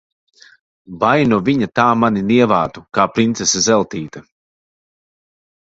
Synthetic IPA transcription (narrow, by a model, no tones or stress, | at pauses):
vajnɔviɲat̪aːmaniniɛvaːt̪ukaːpɾint̪sesazɛlˠt̪iːt̪ɐ